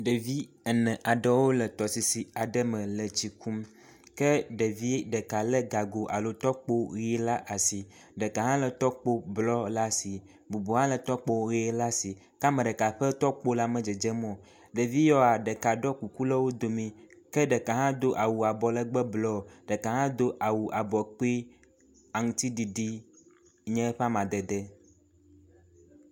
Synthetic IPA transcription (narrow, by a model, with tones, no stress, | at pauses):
ɖə˨vi˦ | ɛ˨nɛ̃˨ʔa˨ɖɛ˦wo˦lə˨t̪ɔ˨si˨si˨a˨ɖə˦mə̃˨lə˨t͡ɕi˨ku˦m | kə˦ɖə˨vi˦ɖə˨ka˨lə˦ɡa˨ɡo˨ʔa˨lo˦t̪ɔ˦k͡po˦ɣi˦la˦ʔa˨si˨ | ɖə˨ka˨ɦã˦lə˨t̪ɔ˦k͡po˦blɔ˦la˦si˨ | bu˨bu˨ɦã˦lə˨t̪ɔ˦k͡po˦ɣi˦la˦si˨ | ka˦mɛ̃˨ɖɛ˨ka˨ɸɛ˦t̪ɔ˦k͡po˦la˦mɛ̃˨d͡ʒɛ˨d͡ʒɛ˦mɔ̃˦ | ɖɛ˨vi˦jɔ˦a˨ɖɛ˨ka˨ɖɔ˦ku˨ku˦lɛ˦wo˦d̪o˨mĩ˨kɛ˦ɖɛ˨ka˨ɦã˦d̪o˦ʔa˨wu˨a˨bɔ˨lɛ˦ɡ͡bɛ˦blɔ˦˨ɖ̥ɛ˨ka˨ɦã˦d̪o˦ʔa˨wu˨ʔa˨bɔ˨k͡pi˦ | a˨ŋũ˨t̪i˦ɖi˨ɖi˦ | ɲɛ̃˦ɸa˦mã˨d̪ɛ˨d̪ɛ˦